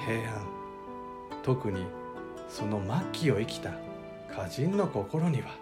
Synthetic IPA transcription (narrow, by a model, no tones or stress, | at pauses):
he̞ːãn | t̪o̞kɯ̟ɲ̟i | so̞no̞makʲːio̞ikʲi̥t̪a | kʰaʑĩnːo̞ko̞ko̞ɾo̞ɲ̟iβa